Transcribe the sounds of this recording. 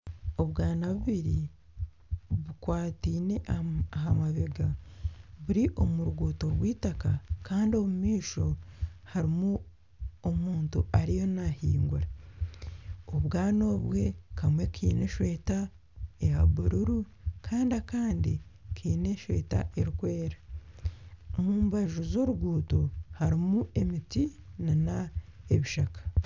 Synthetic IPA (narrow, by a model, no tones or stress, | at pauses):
o̞βɡaːnaβuβiɾi | βukwaːtiːne̞aɦamaβeɡa | βuɾiʔo̞muɾuɡuːto̞ɾɡwiːtakakaːndio̞mumiːʃo̞haɾimu | omuːntṵaɾijo̞nahiːŋɡuɾa | oβɡaːno̞ːβwe̞kamwe̞kʰiːne̞ʃwe̞ːta | ejaβuɾuɾu | kʰaːndiakaːndikʰiːne̞ʃwe̞̰ːta̰ʔeɾikwe̞ːɾa | omuːmbaʒuzo̞ɾuɡuːtohaɾimuʔe̞mitinanaeβiʃakḁ